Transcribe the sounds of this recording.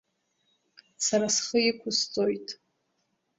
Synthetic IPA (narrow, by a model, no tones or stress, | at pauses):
saɾasχəɪkʷʰʊst͡sʼojtʼ